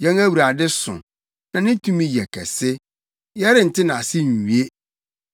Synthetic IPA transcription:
jɛ̃˦ŋæ˦wu˨ɾa˨dɪ˦sʊ̰̃˨ | nã˨nɪ̃˦tʰũ˦mĩ˦jɛ˨kʰɛ̰˨sɪ˦ | jɛ˦ɾɪ˨n̩˨tʰɪ˦nã˨a˨sɪ˦n˨u˨e˦

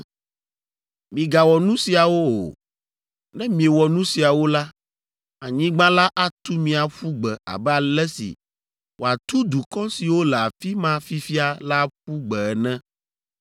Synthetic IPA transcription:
mĩ˨ɡa˨wɔ˨nũ˦si˨a˨wo˦o̰˨ | nɛ̃˦mĩ˨e˨wɔ˨nũ˦si˨a˨wo˦la˦ | a˨ɲĩ˦ɡ͡bã˦la˦ʔa˦t̪u˦mĩ˨a˨ɸu˦ɡ͡bɛ˨a̰˨bɛ˦a˨lɛ˦sḭ˨ | wo˨a˨t̪u˦d̪u˨kɔ˦si˨wo˦lɛ˨a˨fi˦mã˦fi˦fi˦a˨la˦ɸu˦ɡ͡bɛ˨ɛ˨nɛ̃˦

